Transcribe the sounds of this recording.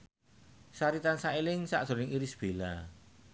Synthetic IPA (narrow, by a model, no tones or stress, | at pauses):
saɾit̪ansaelɪŋsa̰ʔdz̥o̤nɪŋiɾɪsb̥ela